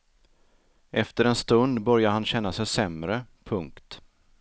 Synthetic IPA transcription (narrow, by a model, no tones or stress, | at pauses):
ʔɛft̪əɾɛnst̪ɵnd̪bœɾjaɾhanɕɛnːasɛjsɛmɾəpʰɵŋkt̪